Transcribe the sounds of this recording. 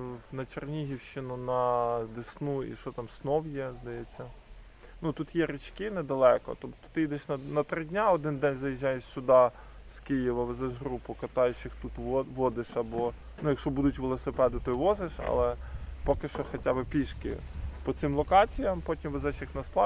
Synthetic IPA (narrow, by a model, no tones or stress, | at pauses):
nɐt͡ʃernʲiɦʲiwʃɪnʊnɐd̪esnuḭʃɔt̪ɑmsnɔwjɛzd̪ɐjɛt͡sʲːɐ | nut̪ut̪jɛɾɪt͡ʃkɪnɛd̪ɐlˠɛkɔ̰t̪ɔpt̪ʊ̥t̪ɪjid̪ɛʃnɐnɐt̪ɾɪdʲnʲaɔd̪ɪnd̪ɛnʲzɐjiʒːajeʃsʲʊd̪ɑ | skɪjiʋɐʋɪzɛʃɦɾupʊkɐt̪ɑjɛt͡ʃɪxt̪ut̪ʋɔʋɔd̪ɪʃɐbɔ | nujɐkʃt͡ʃɔbud̪ʊtʲʋelˠɔsɪpɛd̪ɪt̪ɔiʋɔzɪʃɐ̰lˠɛpɔkɪʃt͡ʃɔxɔtʲabɪpʲiʃkɪ̰pɔt̪sɪmlˠɔkɑt͡sʲijɐmpɔtʲimʋezɛʃjixnɐsplˠɑ